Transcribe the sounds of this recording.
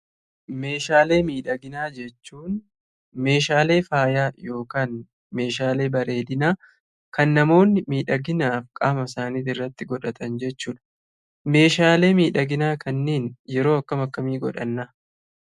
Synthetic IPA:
me̞ːʃaːle̞ːmiːᶑɐɡɪnaːd͡ʒɛt͡ʃːuːn | me̞ːʃaːle̞ːfaːjaːjo̞ːkaːn | me̞ːʃaːle̞ːbɐɾe̞ːd̪ɪnaː | kɐnːɐmo̞ːnːɪmiːᶑɐɡɪnaːfkʼaːmɐsaːniːt̪ɪrːɐt̪ːɪɡɔᶑɐt̪ɐnd͡ʒɛt͡ʃːuːᶑɐ̥ | me̞ːʃaːle̞ːmiːᶑɐɡɪnaːkʰɐnːeːnjɛɾo̞ːɐkːɐmɐkːɐmiːɡɔᶑɐ̰nːɐ

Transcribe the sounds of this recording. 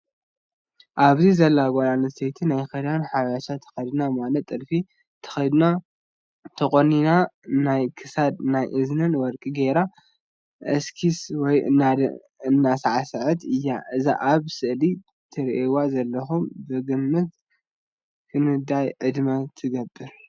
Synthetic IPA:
ʔaβzizɐlːaɡʷaɾanɨset̪ʰinajkɐd̪anħawjaʃat̪ʰːɐ̥xɐd̪namalɐt̪ʼːɨɾfi | t̪ʰɐ̥xɐd̪na | t̪ʰɐkʼoninanajkʰɨsad̪̚najʔɨznɨnwɔɾkʼiɡeɾa | ʔɐskʰiswɔjɨ̰nːad̪ | ɨnːasaʕasɨʕɨt̪ɨjːa̰ɨza̰ʔaβsɨʔli | t̪ʰɨɾʔewazɐlːɐxumbɨɡɨmːɨt̪ | kʰɨnɨd̪ajʕɨd̪mɐt̪ʰɨɡɐbːɨɾ

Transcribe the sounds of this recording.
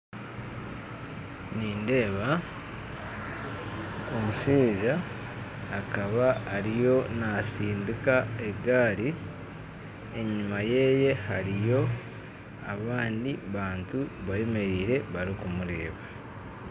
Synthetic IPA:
niːnde̞ːβa | omuʃiːʒaː | kaβaːɾijo̞nasiːndikae̞ɡaːɾi | e̞ɲumaje̞ːje̞haɾijo̞ | a̰βaːndiβaːntuβaeme̞ɾiːɾe̞βaɾikumuɾeːβa

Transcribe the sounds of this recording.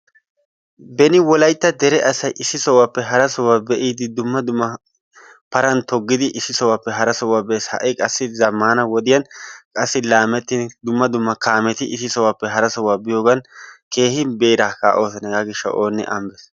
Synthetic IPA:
bɛnɪwɔlɐjt̪ːɐd̪ɛɾɛʔɐsɐjʔɪsːɪsɔwapːɛɦɐɾɐsɔwːaːbɛʔiːd̪ɪd̪ʊmːɐd̪ʊmːɐ | pɐɾɐnt̪ɔɡːɪd̪ɪʔɪsːɪsɔwapːɛɦɐɾɐsɔwaːbeːshɐ̰ʔɪkʼɐsːɪzɐmːaːnɐwɔd̪ɪjɐnkʼɐsːɪlaːmɛt̪ːɪnd̪ʊmːɐd̪ʊmːɐkaːmɛt̪ɪʔɪsːɪsɔwapːɛɦɐɾɐsɔwaːbɪjoːɡɐnke̞ːhɪbeːɾaːka̰ːʔoːsɐnɛɡaːɡɪʃːɐ̰ʔo̞ːnːɛ̰ʔɐmbɛs

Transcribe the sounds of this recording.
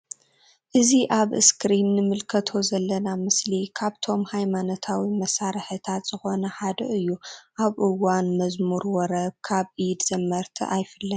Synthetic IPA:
ʔɨziʔaβɨ̰skɾinːɨmɨlkʰɐt̪ʰo̞zɐlːɐnamɨslikʰaβt̪ʰo̞mhajmanot̪ʰawimɐsaɾɨħɨt̪ʰat̪z̥ɨxo̞nɐħad̪ɐ̰ʔɨjːuʔaβʔɨwanmɐzmuɾwɔɾɐb̚kʰaβʔid̪z̥ɐmːɐɾt̪ʰḭʔajfɨlːɐn

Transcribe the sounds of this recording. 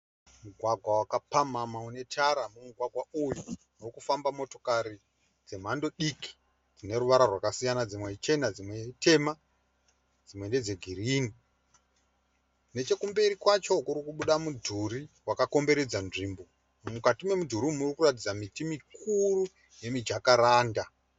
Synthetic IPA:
muɡʱwaɡʱwawakapamamaune̞tʰaɾamumuɡʱwaɡʱwauju | nokufambamo̞to̞̥kaɾi | d͡ze̞m̤ando̞ɗiki̥ | d͡zine̞ɾuʋaɾarwakasijanad͡zimwe̞t͡ʃe̞nad͡zimwe̞te̞ma | d͡zimwe̞nde̞d͡ze̞ɡʱiriːni | ne̞t͡ʃe̞kumbeɾikwat͡ʃo̞kuɾikuɓuɗamudʱuɾiwakako̞mbe̞ɾe̞d͡zanʐiːmbo̞ | mukatimwe̞mudʱuɾimurikurat̬id͡zamitimikʰuru | je̞mid͡ʒakaɾaːnda

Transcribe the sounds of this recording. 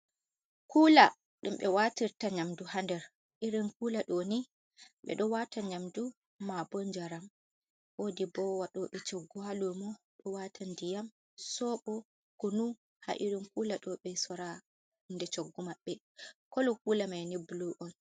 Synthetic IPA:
kuːla | ɗumɓɛwatiɾtaɲamduhandɛɾ | ʔiɾinkuːlaɗɔni | ɓɛ̰ɗɔwataɲamdu | mabɔɲd͡ʒaɾam | wodibɔwaɗɔɓɛt͡ʃɔɡːɔhalumɔ | ɗɔwatʰandijam | sɔɓɔ | kɔnu | ha̰ʔiɾinkulaɗɔɓɛsɔɾa | indɛt͡ʃoɡːumaɓːɛ | kɔlɔkuːlamajnibuluʔɔn

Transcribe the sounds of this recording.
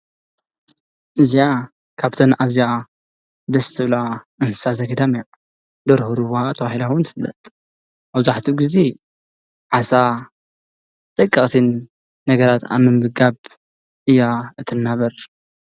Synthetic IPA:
ʔɨzija | kʰaβt̪ʰɐnʔazja | d̪ɐst̪ʰɨβla | ɨnsɨ̥sazɐɡɐd̪amija | d̪ɐɾhuɾuβhat̪ʰɐβahilawnt̪ʰɨfɨlːɐ̰t̪ʼ | ʔaβzaħt̪ʰuɡize | ʕasa | d̪̥ɐkʼːɐχʼt̪ʰinː | ɐɡɐɾat̪ʰa̰mɨmbɨɡaβ | ʔɨjːaɨt̪ʰɨnːaβɐɾ

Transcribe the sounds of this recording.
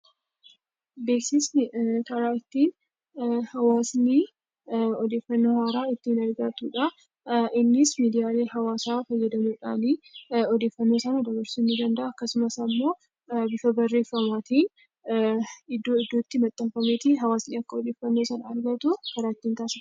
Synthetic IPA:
beːksɪsnɪkɐɾaːɪt̪ːiːn | hɐwaːsniː | ɔd̪e̞ːfːɐnːo̞ːhaːɾaːɪt̪ːɪːnɐɾɡɐt̪uːᶑɐ | ɪnːɪsmiːd̪ɪjaːle̞ːhɐwaːsaːfɐjːɐd̪ɐmuːᶑaːniɔd̪e̞ːfːɐnːo̞ːsɐnɐd̪ɐbɐɾsɪnːɪd̪ɐnd̪ɐʔaːkːɐsʊmɐsɐmːo̞ː | bɪfɐbɐrːe̞ːfːɐmaːt̪iːn | ɪd̪ːoːɪd̪ːoːt̪ːɪmɐt̪ʼːɐmfɐmet̪ɪɦɐwaːsniːɐkːɐɔd̪e̞ːfːɐnːo̞ːsɐnɐɾɡɐt̪ʊkɐɾaːt̪ːiːnt̪aːsɪ

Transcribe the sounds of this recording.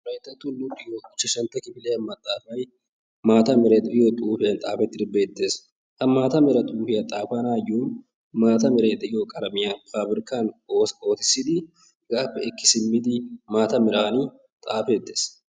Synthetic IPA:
ɾɐjt̪ːɐt̪ːulʊpʼːɪjoːɪt͡ʃːɐʃɐnt̪ɐkɪfɪleːɐmːɐt̪ʼːaːfɐj | maːt̪ɐmɪɾɛt̪ɪjoːt̪ʼuːfɪjɐnt̪ʼaːfɛt̪ːɪɾbeːt̪ːeːs | ʔɐmːaːt̪ɐmɪɾɐt̪ʼuːfɪjɐt̪ʼaːfaːnaːjːuːn | maːt̪ɐmɪɾeːd̪ɛʔɪjokʼɐɾɐmɪjanpʰaːbɪɾkaːnoːo̞ːt̪ɪ̥sɪd̪ɪ | ɡaːfɛɪkːɪ̥sɪmːɪd̪ɪmaːt̪ɐmɪɾaːni | t̪ʼaːfet̪ːeːs

